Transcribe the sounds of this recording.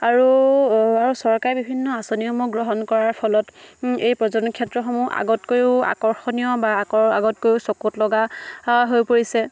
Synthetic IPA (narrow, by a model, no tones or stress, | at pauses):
aɹu | aɹusɔɹkaɹbibʱinːɔasoniomuɡɹɔɦɔnkɔɹaɹpʰɔlɔtejpɹɔzɔnkʰɛtɹɔxɔmuʔa̰ɡɔtkojua̰kɔɹxɔnijɔbaɔa̰ɡɔtkojʊsokutlɔɡaɦojpoɹisɛ